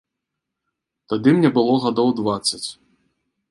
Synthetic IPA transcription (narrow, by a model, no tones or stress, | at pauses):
t̪ad̪ɨmnʲɛbɨlˠɔɣad̪ɔwd̪vat̪sːɐt͡sʲ